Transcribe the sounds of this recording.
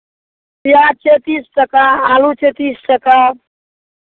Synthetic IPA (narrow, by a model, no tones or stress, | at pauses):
pijat͡ʃʰet̪isʈəkaalut͡ʃʰet̪isʈəka